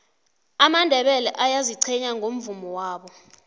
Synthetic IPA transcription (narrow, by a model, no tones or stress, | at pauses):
amandʱɛɓɛlɛʔajaziǀʰɛɲaŋʱom̩vumɔwaːɓɔ